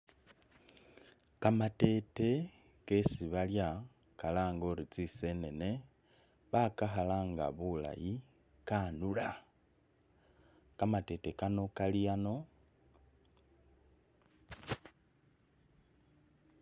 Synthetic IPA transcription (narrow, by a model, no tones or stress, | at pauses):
kamate̞te̞ | kesiβalja | kalaːŋɡoɾit͡sise̞ne̞ne̞ | βakaxalaːŋɡa̰βula̰ji | kanula | kamate̞tekano̞kalijano̞